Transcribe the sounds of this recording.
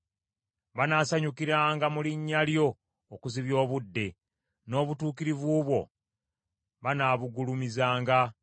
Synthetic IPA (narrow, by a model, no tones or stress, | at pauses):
βanaːsaɲukiɾaːŋɡamuliɲːaljo̞ː | kuziβjo̞ːβudːe̞ | no̞ːβutuːkiɾivuːβwo̞̰ | βanaːβuɡulumizaːŋɡa